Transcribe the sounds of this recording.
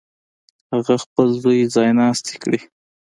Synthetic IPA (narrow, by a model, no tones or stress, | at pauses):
haɣaxpəlzujzɑjnɑst̪i̥kɽi